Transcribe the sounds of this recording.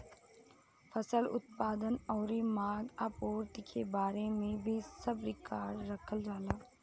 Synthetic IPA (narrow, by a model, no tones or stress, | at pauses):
fʰəsəlʊ̰t̪̚paːd̪ənɔːɾimaːɡaːpuːɾt̪ikʰebaːɾemẽbʱisɐbɾɪkaːɾːəkʰəld͡ʒaːlaː